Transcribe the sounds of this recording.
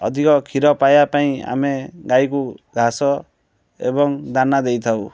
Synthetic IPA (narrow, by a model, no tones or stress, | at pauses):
ɔ̰d̪ʱikɔkʰiɾɔpajapaĩa̰meɡajkuɡʱasɔ | ḛbɔŋd̪anad̪ejt̪ʰaw